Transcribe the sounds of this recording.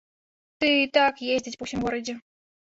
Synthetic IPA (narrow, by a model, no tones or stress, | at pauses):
t̪ɨit̪akjezʲdʲɪtʲpuwsʲimɡɔɾɐd͡zʲɛ